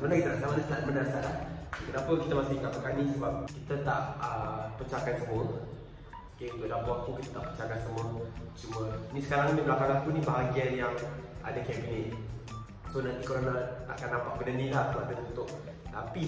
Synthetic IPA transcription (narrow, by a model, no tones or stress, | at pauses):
mənakit̪ənaʔsamanasabənarsalak̪ənapəkit̪əmasɪkakəkanisəbap̚kit̪ət̪aʔəpət͡ʃakansəmʊr | okek̪ədapəak̪ukit̪ət̪aʔpət͡ʃakansəmʊnt͡ʃuməinisə̥kaɾaŋnibɾakaŋlakunibaɦaɡianjaŋʔa̰dakɛbinɪt̪̚ | sonant̪ikəɾanat̪a̰ʔkanːampaʔ̚bənənilahəmat̪ənunt̪ʊʔ̚ | t̪a̰pi